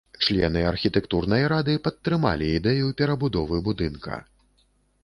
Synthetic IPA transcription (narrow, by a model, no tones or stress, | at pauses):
t͡ʂlʲɛ̰nɨɐrxʲit̪ɛkt̪urnɐjɾad̪ɨpɐt̪ːɾɨma̰lʲiːd̪ɛjupʲɛɾɐbud̪ɔvɨbud̪ɨnkɐ̰